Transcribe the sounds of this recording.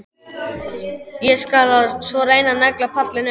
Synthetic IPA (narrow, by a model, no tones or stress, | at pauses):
jɛskalasvɔɾeːjnanaklapʰat̪lɪnʏ